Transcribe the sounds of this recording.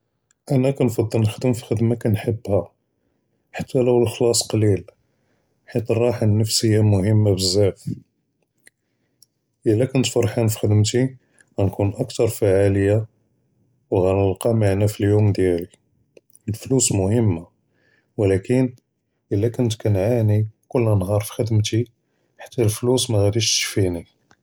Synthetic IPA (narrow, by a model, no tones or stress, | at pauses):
ʔænækænfɑd̪ˤːəlnəxd̪əmfi̥xəd̪makænħəbːhæ | ħat̪ːæləwlxlɑsˤqɑlil | ħit̪rˤɑħənːəfsəjːamʊhəmːabəzːæf | ʔəlːækʊnt̪fɑɾˤħanfi̥xəd̪əmt̪i | ɣænkunʔəkt̪ɑɾˤfaʕaləjːa | wɣænəlqɑmaʕnæfiljumd̪jæli | əlflusmʊhəmːa | wlækən | ʔəlːækʊnt̪kænʕanikʊlːnɦɑɾˤfi̥xəd̪mt̪i | ħḁt̪ːælflusmæɣæd̪iʃt̪ʃfini